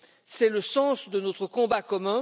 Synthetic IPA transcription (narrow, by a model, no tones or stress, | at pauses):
sɛləsɑ̃sd̪ənɔt̪χəkɔ̃bakɔmɛ̃